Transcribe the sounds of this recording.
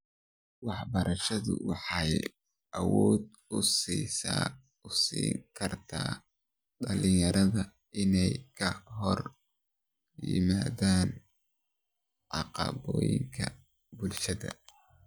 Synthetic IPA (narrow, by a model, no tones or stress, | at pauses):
wɑħbɐɾʔɐʃɐðʊ̰wɑħɑj | ʔɐwɔːd̪ | ʊsisa | ʊsḭːŋkʰɐrt̪ʰa̰ː | ɖɐlɪjɐɾɐðɐ | ɪnɛjkʰɐɦɔr | jɪ̰maːðaːn | ʕɑqɑ̰βɔːjɪ̰ŋkʰɐ | bʊlʃɐðɐ̰